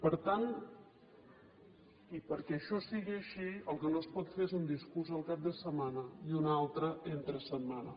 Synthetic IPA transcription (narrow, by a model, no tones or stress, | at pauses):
pəɾt̪an | ipəɾkɛəʃɔsiɣiəʃiəlˠkənoəspɔt̪feɾezund̪iskuɾzəlˠkap̚d̪əsəmanəiunalˠt̪ɾəʔent̪ɾəsəmanə